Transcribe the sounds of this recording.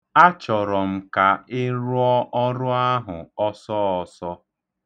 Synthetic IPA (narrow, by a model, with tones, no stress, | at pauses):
a˦t͡ʃɔ˨ɾɔ˨m̩˨ka˨ɪ˦ɾʊ˦ɔ˦ʔɔ˦ɾʊ˦a˦ɦʊ˨ɔ˦sɔ˦ɔ˨sɔ˦